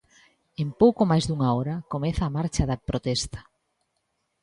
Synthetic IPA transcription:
empowkomajzðuŋaoɾɐkomɛθaːmaɾt͡ʃaðɐpɾot̪ɛst̪ḁ

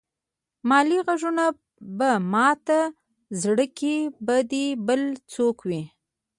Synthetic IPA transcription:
mɑliɣaʒuna | bamɑt̪a | zɽəkibad̪ibəlt͡sokwi

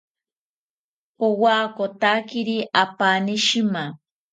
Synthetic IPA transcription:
powaːkot̪akɪɾiʔapanɪʃɪma

